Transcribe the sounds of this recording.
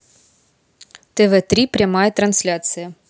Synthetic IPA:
t̪ɛvɛt̪ɾʲipɾʲamajət̪ɾɐnsʲlʲat̪sɨjə

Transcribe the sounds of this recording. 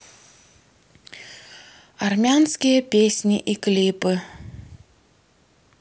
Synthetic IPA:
ɐrmʲanskʲɪjəpʲesʲnʲɪʔiklʲipɨ

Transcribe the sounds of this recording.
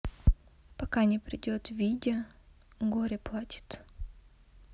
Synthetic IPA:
pɐkanʲɪpɾʲɪdʲot̪vʲidʲɪə | ɡoɾʲɪplˠatʲɪ̥t̪

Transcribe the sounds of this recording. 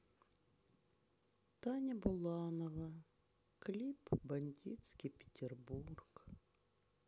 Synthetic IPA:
t̪ɑnʲɐbʊlˠɑnɔʋɐ | klʲipbɐnʲdʲisʲkʲipʲe̥tʲerburk

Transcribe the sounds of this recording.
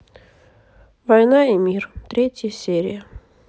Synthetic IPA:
vɐjnaimʲirt̪ɾʲetʲjəsʲeɾʲɪjə

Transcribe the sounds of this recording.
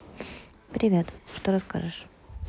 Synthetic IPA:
pɾʲɪvʲet̪ʂt̪oɾɐska̰ʐɨʂ

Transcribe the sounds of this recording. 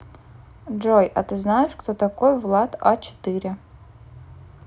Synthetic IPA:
d͡ʐojʔat̪ɨznajɪʂkt̪ot̪akojvlˠat̪at͡ʃʰɪ̥t̪ɨɾʲɪ

